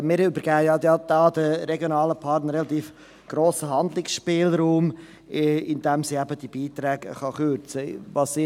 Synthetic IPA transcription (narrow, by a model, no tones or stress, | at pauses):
mɪːɾʏbəɾɡ̥æːəjɑjɑd̪̥ɑːd̥̪əɾɛɡjonɑːləpʰɑrtnəɾɛlɑt̪iːf | ɡ̥ɾoːsəɦɑnd̪lɪksʃpɪːlɾuːm | ɪnd̥̪ɛmsiːæbəd̥ib̥iːt̪ɾɛːɡəχɑχøɾt͡səvɑsi